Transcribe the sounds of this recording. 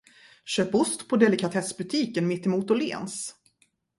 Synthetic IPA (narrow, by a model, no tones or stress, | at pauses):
ɕøːpʊst̪pʰɔd̪ɛlɪkʰat̪ʰɛsbɵt̪ʰiːkənmɪt̪ːɛmuːt̪ɔlḛːns